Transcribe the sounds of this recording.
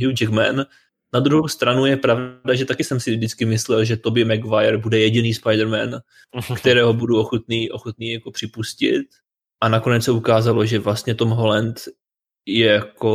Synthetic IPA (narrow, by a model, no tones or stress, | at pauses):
ɦuwd͡ʒɛkmɛ̰n | nad̪ɾuɦowst̪ɾanujɛpɾavdaʒɛt̪akɪsɛmsɪvdɪt͡skɪmɪslɛlʒɛt̪o̞bɪmɛɡvajɛɾbudɛjɛɟɪniːspajdɾmɛn | kt̪ɛɾɛːɦo̞buduo̞xot̪niːʔo̞xot̪̚niːjako̞pr̥ɪpuscɪ̰t̪̚ | ʔanako̞nɛt͡ssɛukaːzalo̞ʒɛvlast̪ɲɛt̪o̞mɦo̞lɛnt̪ | jɛjako̞